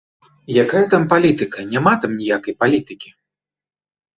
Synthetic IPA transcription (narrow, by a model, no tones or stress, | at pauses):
jakajɐt̪ampalʲit̪ɨkɐnʲamat̪amnʲijakɐjpalʲit̪ɨkʲi